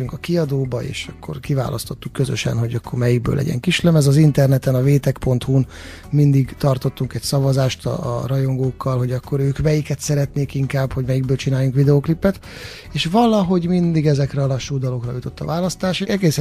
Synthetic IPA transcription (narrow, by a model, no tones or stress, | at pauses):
yŋkɒkiɒd̪oːbɒḛːʃɒkːo̞̰rkiva̰ːlʔɒst̪o̞t̪ːukːøzø̰ʃɛ̰nɦo̞ɟɒkːo̞rmɛjiɡ̚bø̰ːlɛ̰ɟɛ̰ŋkiʃlɛmɛzɒzint̪ɛrnɛt̪ɛnɒveːt̪ɛkpo̞nt̪hun | mind̪iɡt̪ɒrt̪o̞t̪ːuŋkɛcsɒvɒzaːʃt̪ɒ̰rɒjo̞ŋɡoːkːɒlɦo̞ɟɒkːo̞ɾøːkmɛjikɛt̪sɛɾɛt̪neːkiŋkaːbho̞ɟmɛjiɡ̚bøːlt͡ʃinaːjuŋkʋid̪ɛoːklipːɛt̪ | eːʃʋɒlɒɦo̞ɟmind̪iɡɛzɛkrɛɒlɒʃːuːd̪ɒlo̞krɒ̰jut̪o̞t̪ːɒ̰vaːlɒst̪aːʃeɛɡeːs